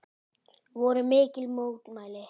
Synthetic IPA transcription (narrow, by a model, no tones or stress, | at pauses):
ʋoɾemekilmotmale